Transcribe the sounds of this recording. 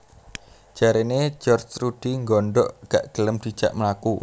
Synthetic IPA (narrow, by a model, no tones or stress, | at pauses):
ʒ̥aɾened͡ʒɔrd͡ʒrud̥iŋɡɔɳɖɔʔɡ̥aʔɡ̥ələmd̪̥i̤̥ʒ̥a̰ʔməlaku